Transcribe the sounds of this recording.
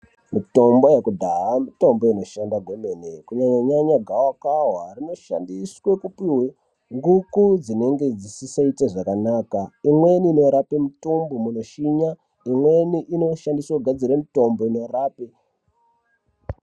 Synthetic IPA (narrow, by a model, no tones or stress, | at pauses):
mito̞mbo̞jekudʱaɦamito̞mbo̞ino̞ʃandaɡʱomenekuɲaɲaɲaɲaɡʱawakaɦwarino̞ʃa̰ndiswekupiwe | ŋɡukud͡zine̞ŋɡe̞d͡zisisait͡seʐakanaːkaimwe̞niːno̞ɾapemitumbomuno̞ʃiɲa | imwe̞niʔino̞ʃandiswauɡʱad͡ziɾemito̞mbo̞ino̞raːpe